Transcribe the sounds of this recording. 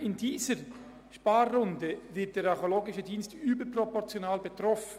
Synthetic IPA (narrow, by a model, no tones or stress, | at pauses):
ɪndiːzəɾ | ʃpaːrːʊndəvɪt̚d̥eːɾɑχoloːɡɪʃədiːnstyːbəpropɔʁt͡sjonaːlbetʁɔfn